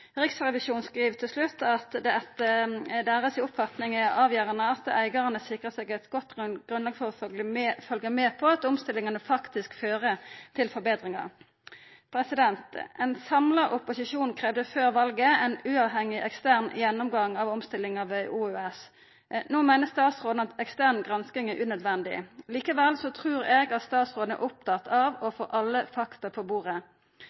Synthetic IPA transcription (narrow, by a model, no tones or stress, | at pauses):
ʁɪksʁɛʋɪʃuːnskʁiːʋt̪ʰɪlslʉt̪ːɑt̪d̪ɛɛt̪əd̪æːʁəsɪʊpfɑt̪nɪŋəɑːʋjæːʁɑnəɑt̪æɪɡɑʁənəsɪkʁəsɛɡɛt̪ɡɔt̪ːɡɡ̥ʁʉnlɑːɡəfɔʁɔfœlɡəmeːpʰɔɑt̪ɔmst̪ɪlːɪŋɑnəfɑkt̪ɪskføːʁət̪ʰɪlfɔbeːd̪ʁɪŋɑ̰ʁ | pʰɾɛsɪd̪ɛnt̪ɛnsɑmlɑʔʊpʊsɪʃuːnkʰʁeːʋd̪əføːʁʋɑlɡəɛnʉːɑʋɦɛŋɪʔɛkst̪æʁnjɛnːʊmɡɑŋɑʋɔmst̪ɪlɪŋɑʋɛʔuːøɛs | noːmɛɪnəst̪ɑːt̪sʁoːd̪n̩ɑt̪ɛkst̪æʁnɡʁɑnskɪŋæʁʔʉːnœd̪ʋɛnd̪ɪ̰liːkəʋɛlsɔt̪ʰʁʉːʁɛɡɑt̪st̪ɑːt̪sʁoːd̪n̩æ̰ʔʊp̚t̪ʰɑt̪ʰɑʋɔfoːʔɑlːəfɑkt̪ɑpʰɔbuːʁə